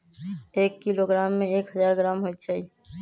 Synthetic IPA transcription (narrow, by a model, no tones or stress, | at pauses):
eːkːiloɡɾaːmːẽeːkɦəd͡ʒaːɾɡɾaːmɦojt̪t͡ʃʰai